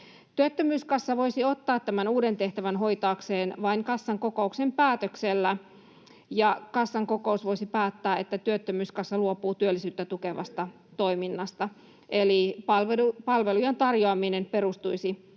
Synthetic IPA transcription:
t̪yøt̪ːømyːskɑsːɑʋoisiot̪ːɑːt̪t̪æmænuːdent̪eht̪æʋænɦo̞it̪ɑːkseːnʋɑiŋkɑsːɑŋkokouksempæːt̪økselːæ | jɑkɑsːɑŋkokoˑusʋo̞isipæːt̪ːæːet̪ːæt̪yøt̪ːømyːskɑsːɑluopuːt̪yølːisyːt̪ːæt̪ukeʋɑ̰st̪ɑ | t̪oiminːɑst̪ɑ | ʔelipɑlʋeupɑlʋelujɑnt̪ɑrjoɑminemperust̪uisi

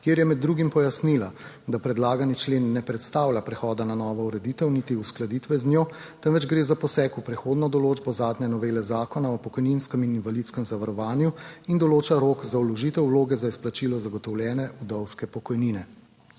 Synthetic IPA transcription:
kjeːɾjɛmɛd̪ːɾuɡimpɔjasnila | d̪apɾɛd̪laːɡanit͡ʃleːnːɛpɾɛt̪st̪aːwlʲapɾɛxɔːd̪ananɔːʋɔuɾɛd̪iːt̪əwnit̪iusklad̪iːt̪ʋɛznjoː | t̪ɛnʋɛd͡ʒɡɾeːzapɔsɛːkupɾɛxoːd̪nɔd̪ɔloːd͡ʒbɔzaːd̪nʲɲɛnɔʋeːlɛzaːkɔnaɔpɔkɔjninskəmininvalit̪skəmzaʋaɾɔʋaːnjuind̪ɔloːt͡ʃaɾoːkzaulɔʒiːt̪ɛwloːɡɛzaisplat͡ʃilɔzaɡɔt̪ɔwljɛːnɛʔud̪ɔwskɛpɔkɔjninɛ

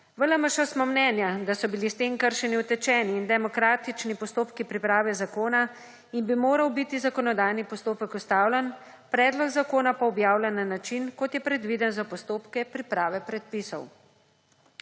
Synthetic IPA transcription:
ʋələməʃəsmɔmnɛːnjad̪asɔbilist̪emkəɾʃɛniwt̪ɛt͡ʃɛːniːnd̪ɛmɔkɾaːt̪it͡ʃnipɔst̪oːpkipɾipɾaːʋɛzakoːna | inbimoːɾɐwbit̪izakɔnɔd̪aːjnipɔst̪oːpəkust̪aːwlʲɛn | pɾɛːd̪lɔɡzakoːnapaɔbjaːwlɛnːanat͡ʃinkɔt̪jɛpɾɛd̪ʋid̪ənzapɔst̪oːpkɛpɾipɾaːʋɛpɾɛt̪̚pisɔw

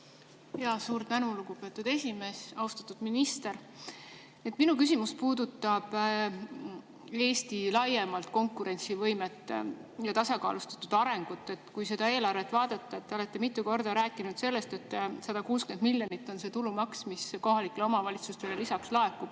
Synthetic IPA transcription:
jɑsuːɾt̪t̪ænuluɡupe̞t̪ːˑud̪̥e̞sʲime̞ːsɑust̪ɑ̥t̪ːud̪̥minist̪e̞ɾ | et̪ˑminuk̬ys̬ʲimuspuːd̪ut̪ːˑɑb̥ | e̞ːst̪ilɑje̞mɑlt̪ko̞ŋkːˑuɾe̞nʲt̪sivɤjmet̪ːˑjɑt̪ɑsɑkɑ̰ːlust̪ɑ̥t̪ːud̪̥ɑɾe̞ŋɡ̥ut̪ːe̞t̪kujse̞d̪̥ɑe̞ːlɑrve̞t̪ːˑvɑːd̪̥ɑt̪ːˑɑe̞t̪ːeo̞le̞t̪ːe̞mit̪ːˑuko̞rd̪̥ɑɾæːkːˑinud̪̥se̞lːe̞st̪e̞t̪ːsɑd̪̥ɑkuːskend̪milʲjonit̪ːˑo̞nse̞t̪ulumɑksmisko̞ɦɑlikːˑelo̞mɑvɑlʲit̪sust̪e̞lelisɑkslɑe̞kːˑub̥

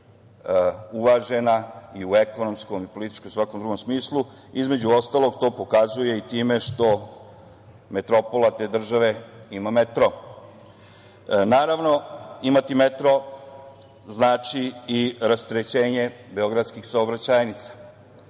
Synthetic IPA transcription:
uʋaʒe̞naiue̞ko̞nomsko̞mipo̞lit̪i̥t͡ʃkomsʋako̞md̪ɾuɡo̞msmiːslu | izme̞d͡ʑuo̞st̪alˠoɡt̪o̞ːpo̞kazuje̞it̪iːme̞ʃt̪o̞ | me̞t̪ɾo̞po̞lat̪e̞ːd̪r̩ʒaʋe̞imamet̪ɾo | naːɾaʋno̞imat̪imet̪ɾo̞ | znaːt͡ʃiiɾast̪ɾet͡ɕe̞ːɲe̞be̞o̞ɡɾad̪skixsaobɾat͡ɕajnit̪sḁ

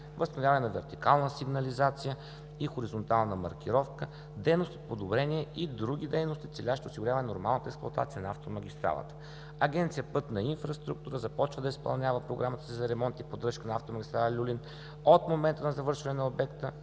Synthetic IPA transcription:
vəst̪nvʲavɐnɛnɐvɛɾt̪ikalˠnəsiɡnɐlizat̪sijə | ixoɾizont̪alˠnəmɐ̰ɾkʲiɾɔfkə | d̪ɛjnost̪o̥t̪̚pod̪obɾɛniɛid̪ɾuɡʲid̪ɛjnost̪it̪sɛlʲaʃt̪ɛosiɡʊɾʲavɐnɛnoɾmalˠnət̪əɛksplˠɐt̪a̰t̪sijənɐaft̪omɐɡʲist̪ɾa̰lˠə̰t̪ə̥ | ɐɡʲɛnt̪sijəpɤt̪nɐinfɾɐst̪ɾuk̚t̪uɾəzɐpɔt͡ʃvəd̪əispɐ̰lˠnʲavəpɾoɡɾamət̪ə̥sizɐɾɛmɔnt̪ipod̪ɾɤʃkənɐaft̪omɐɡʲist̪ɾalˠlʲulin | ot̪momɛnt̪ənɐzɐvɤɾʃvɐnɛnɐobɛkt̪ə

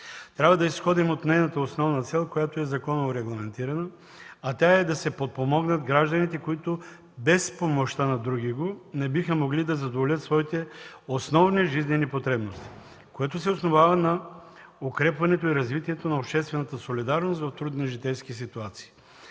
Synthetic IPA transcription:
t̪ɾʲabvɐd̪ɐisxɔd̪imot̪nɛjnɐt̪əosnɔvnɐt̪sɛlˠkojat̪oɛzɐkɔnooɾɛɡlˠɐmɛnt̪iɾɐnə | ɐt̪ʲaɛd̪ɐsɛpot̪̚pomɔɡnət̪ɡɾaʒd̪ɐnit̪ɛkoit̪o | bɛspomoʃt̪anɐd̪ɾuɡ̟iɡonɛbixəmoɡlid̪ɐzɐd̪ovolʲət̪svɔit̪ɛosnɔvniʒiznɛnipot̪ɾɛbnost̪i̥ | koɛt̪os̬ɛosnovavɐnɐ | okɾɛpvɐnɛt̪oiɾɐzvit̪iɛt̪onɐopʃt̪ɛst̪vɛnɐt̪əsolid̪aɾnost̪vɐft̪ɾud̪niʒit̪ɛjskis̬it̪uat̪si̥ː

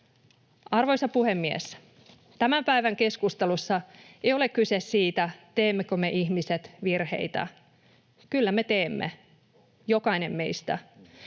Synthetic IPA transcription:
ɑrʋojsɑpuhemːiḛs | t̪æmæmpæiʋæŋke̞skust̪elusːɑejo̞le̞kkysessiːt̪æt̪e̞ːmːekømeʔiçmiset̪ʋirhe̞̰it̪æ̰ | kylːæme̞t̪eːmːḛ | jo̞kɑine̞mːe̞ijst̪æ̰

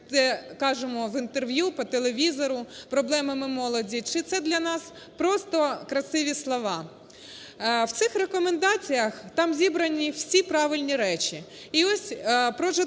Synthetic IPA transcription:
t̪ɛkɑʒemɔʋɪnt̪erʋʲjupɔt̪elˠeʋʲizɔɾʊpɾɔblˠɛmɐmɪmɔlˠɔdʲit͡ʃɪt̪sɛd̪lʲɐnɑs | pɾɔst̪ɔkɾɐsɪʋʲislˠɔʋɑ | wt̪sɪxrekɔmend̪ɑt͡sʲijɐxt̪ɑmzʲibɾɐnʲiw̥sʲipɾɑʋɪlʲnʲiɾɛt͡ʃi | iɔsʲpɾɔʒɛ

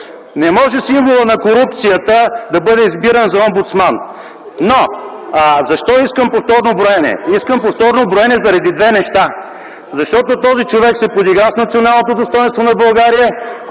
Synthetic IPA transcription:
nɛmɔʒɛsimvolˠənɐkoɾupt̪sijət̪əd̪ɐbɤd̪ɛizbiɾənzɐɔmbut̪smanː | o | zɐʃt̪ɔiskəmpoft̪ɔɾnobɾoɛnɛ̰iskəmpoft̪ɔɾnobɾoɛnɛzɐɾɐd̪id̪vɛnɛʃt̪a | zɐʃt̪ɔt̪ot̪ɔzit͡ʃovɛksɛpod̪iɡɾasnɐt̪sionalˠnot̪od̪ost̪ɔjɛnst̪vonɐbɐlˠɡaɾijə

